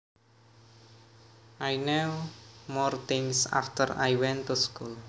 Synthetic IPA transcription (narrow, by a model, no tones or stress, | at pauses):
ʔajnewmɔrt̪ɪŋsa̰ft̪əɾajwɛ̃nt̪uskul